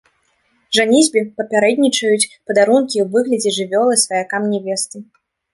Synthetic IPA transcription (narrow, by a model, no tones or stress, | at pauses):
ʐanʲizʲbʲipɐpʲaɾɛd̪ʲnʲit͡ʂɐjut͡sʲpɐd̪aɾunkʲiwvɨɣlʲɐd͡zʲɛʐɨvʲɔlˠɨsvɐjakamnʲɛvʲɛst̪ɨ